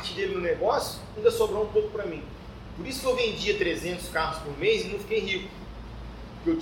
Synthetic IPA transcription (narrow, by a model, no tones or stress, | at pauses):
at͡ʃɪd̪elɪnʊneɡɔsjʊaĩnd̪ɐsobɾõũpowkʊ̥pɾɐmĩ | poɾisʊkewvẽnd͡ʒiɐt̪ɾezẽnt̪ʊ̥skaɦʊspʊɾmejzɪnɐ̃w̃fikejɦikʊ | ʊkew